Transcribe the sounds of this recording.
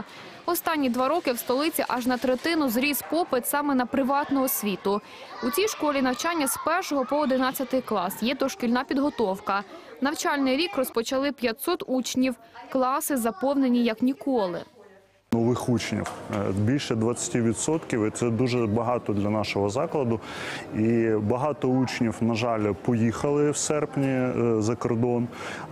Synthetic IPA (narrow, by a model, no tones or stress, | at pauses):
ɔst̪ɑnʲːid̪ʋɑɾɔkɪwst̪ɔlˠɪt͡sʲiʔɑʒnɐt̪ɾet̪ɪnʊzɾʲispɔpɪt̪sɑmɛnɐpɾɪʋɑt̪nɔɦɔsʲʋʲit̪ʊ | ut͡sʲijʃkɔlʲinɐwt͡ʃɑnʲːɐspɛrʃɔɦɔpɔɔd̪ɪnɑt͡sʲːɐt̪ɪjklˠɑsjɛd̪ɔʃkʲilʲnɑpʲid̪ɦɔt̪ɔwkɐnɐwt͡ʃɑlʲnɪjɾʲikrɔspɔt͡ʃɐlˠɪpʲjɐt̪ʲsɔt̪ut͡ʃnʲiw | klˠɑsɪzɐpɔwnenʲijɐknʲikɔlˠɪ̰ | nɔʋɪxut͡ʃnʲḭwbʲilʲʃɛd̪ʋɐt͡sʲːɐ̥tʲiʋʲit̪sɔt̪kʲiwɪt̪sɛd̪uʒɛbɐɦɑt̪ɔd̪lʲɐnɑʃɔɦɔzɑklˠɐd̪ʊ | ibɐɦɑt̪ɔut͡ʃnʲiwnɐʒɑlʲpɔjixɐlˠɪwsɛrpnʲizɐkɔrd̪ɔn